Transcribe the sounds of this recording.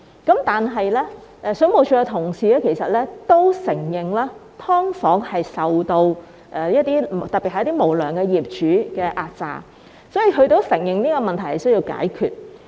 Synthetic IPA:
kɐ˨˥mt̪aː˨nɦɐ˨jlɛː˥ʔɛ˧sɵ˨˥ŋmo˨wt͡ʃʰyː˨˧ɛ˧t̪ʰʊ˨˩ŋsiː˨lɛː˥kʰe˨˩jsɐ˨t̚lɛː˥t̪o˥wsɪ˨˩ŋjɪ˨ŋlaː˥t̪ʰɔː˥ŋfɔː˨˥ŋhɐ˨jsɐ˨wt̪o˧w | ʔɛ˨˧jɐ˥t̚t̪iː˥t̪ɐ˨pːi˨t̚hɐ˨jɐ˥t̪i˥mo˨˩wlœː˨˩ŋkɛː˧jiː˨p̚t͡ʃyː˨˥kɛː˧ʔaː˧t̚t͡sa̰ː˨˧ | sɔː˨˥ji˨˧ɦɵ˧ɥt̪o˨˥wsɪ˨˩ŋjɪ˨ŋniː˥kɔː˧mɐ˨nt̪ʰɐ˨˩jhɐ˨jsɵ˥ɥjiː˧wka̰ː˨˥jkʰy̰ː˨t̚

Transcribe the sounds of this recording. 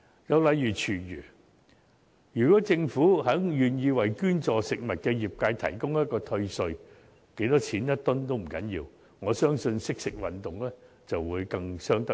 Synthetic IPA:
jɐ˨˧wlɐ˨˧jjyː˨˩t͡ʃʰyː˨˩jy̰ː˨˩ | jyː˨˩kɔː˨˥t͡sɪ˧ŋfuː˨˥ɦœː˨˥ŋjyː˨njiː˧wɐ˨˩jkyː˥nt͡sɔː˨˧sɪ˨k̚mɐ˨t̚kɛː˧jiː˨p̚kaː˧jt̪ʰɐ̰˨˩jkʊ˥ŋjɐ˥t̚kɔː˧t̪ʰɵ˧ɥsɵ˧ɥ | ke˨˥jt̪ɔː˥t͡sʰiː˨˥njɐ˥t̪ʊ˥nt̪o˥wm̩˨˩kɐ˨˥njiː˧w | ŋɔː˨˧sœː˥ŋsɵ˧nsɪ˥k̚sɪ˨k̚wɐ˨nt̪ʊ˨ŋlɛː˥ | t͡sɐ˨wwuː˨˧jkɐ˧ŋsœː˥ŋt̪ɐ˥

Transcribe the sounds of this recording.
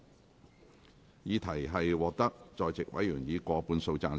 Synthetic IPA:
jiː˨˧t̪ʰɐ˨˩jɦɐ˨jwɔː˨k̚t̪ɐ˥k̚t͡sɔː˨˧jt͡sɪ˨k̚wɐ˨˥jyː˨˩njiː˨˧kʷɔː˧puː˨˧˥nso˧wt͡saː˧n

